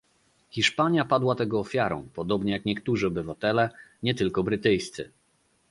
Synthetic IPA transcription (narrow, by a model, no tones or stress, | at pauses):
xʲiʂpaɲjapad̪wat̪ɛɡɔːfʲjaɾɔ̰̃w̃pɔd̪ɔbɲɛjakɲɛkt̪uʐɘɔbɘvat̪ɛlɛɲɛt̪ɘlkɔbɾɘt̪ɘjst̪sɘ̰